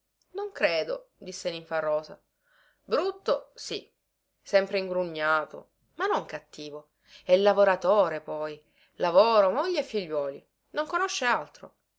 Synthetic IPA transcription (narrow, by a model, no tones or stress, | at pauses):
noŋkɾeːd̪o̰d̪isːeniɱfarːɔːza̰ | bɾut̪ːosi | sɛmpɾeiŋɡɾuɲːaːt̪o̰ | manːoŋkat̪ːiːvo | ɛlːavoɾat̪oːɾepɔj | lavoːɾomoʎːeefːiʎːwɔːli | noŋkonoʃːealt̪ɾo̰